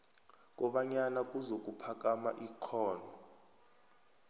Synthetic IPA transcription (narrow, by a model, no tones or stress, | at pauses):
k̬ʼɔɓaɲanak̬ʼuzok̬ʼupʰak̬ama̰ʔiǃʰɔːnɔ